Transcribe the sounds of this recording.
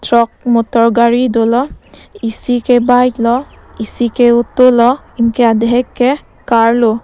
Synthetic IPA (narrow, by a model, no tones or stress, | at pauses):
tɹɔk̚mɔtɔɹɡaɹidolɔisikɛbajtlɔ | isikɛutolɔ | imkɛadɛɦɛkːɛ | kaɹlo